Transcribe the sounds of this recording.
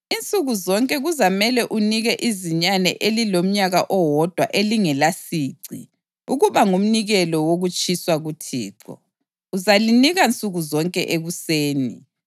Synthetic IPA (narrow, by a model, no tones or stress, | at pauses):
int͡sʼuɣuzɔŋkʼɛɣuzamɛlɛʔuniɣɛʔiziɲanɛ̰ʔelilom̩ɲaɣaʔɔwɔd̥ʱwaʔeliŋɛlasiːǀḭ | uɣuβaŋum̩niɣɛlɔwoɣut͡ʃʼiswaɣutʰḭːǀɔ̰ | uzaliniɣant͡sʼuɣuzɔŋkʼɛʔeɣuseːni